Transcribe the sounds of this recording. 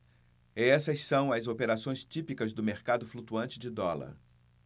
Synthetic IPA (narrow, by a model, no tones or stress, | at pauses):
ɛsɐssɐ̃w̃ɐzopeɾasõj̃st͡ʃipikɐzd̪ʊmeɾkad̪ʊflut̪uɐ̃nt͡ʃɪd͡ʒɪd̪ɔlɐ̰ɾ